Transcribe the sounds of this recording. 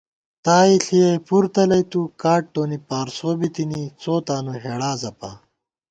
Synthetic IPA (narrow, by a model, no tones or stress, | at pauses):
t̪aːiɬijɐjpuɾt̪ɐlɐjt̪ukaːʈ̚ʈːoːnipaːɾsoːbit̪init͡soːt̪aːnoɦeːɽaːzɐpa̰